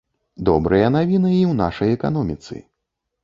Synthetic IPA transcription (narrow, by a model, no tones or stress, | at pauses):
d̪ɔbɾɨjɐnavʲinɨiwna̰ʂɐjɛka̰nɔmʲit̪sɨ̰